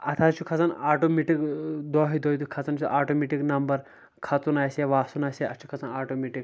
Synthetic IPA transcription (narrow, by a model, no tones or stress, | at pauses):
ɐt̪ʰaːt͡ʃʰukʰɐt͡sɐnaːʈomiʈikd̪ɔːɦid̪ɔːiukʰɐt͡sɐnt͡ʃʰuʔaːʈomiʈiknɐmbɐɾ | kʰɐt͡sunaːjseʋaːsunaːseɐt͡ʃʰu̥kʰɐt͡sɐnaːʈomiʈik